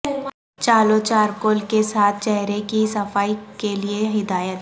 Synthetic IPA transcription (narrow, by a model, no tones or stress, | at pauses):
t͡ʃaːloːt͡ʃaːɾkoːlkesaːt̪̚ʰt͡ʃɛɦɾekisɐfaːikelieɦɪd̪aːjət̪